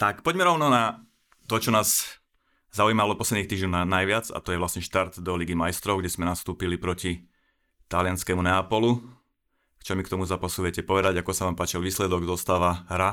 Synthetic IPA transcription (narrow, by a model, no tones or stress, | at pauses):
t̪akpɔɟmɛɾɔʊnɔna | t̪ɔt͡ʃɔnaːz | zaujiːmalɔpɔslɛd̪nixt̪iːʒɲɔnnajʋɪad͡za̰t̪ɔjɛʋlasɲɛʃt̪aɾt̪d̪ɔliɡimajst̪ɾɔʊɡɟɛsmɛnast̪uːpilipɾɔci | t̪alɪanskɛmunɛapɔlu | kt͡ʃɔmikt̪ɔmuzapasuʋjɛcɛpɔʋɛd̪aɟakɔsaʋaːmpaːt͡ʃɛlʋiːslɛd̪ɔɡzɔst̪aːʋaɦɾa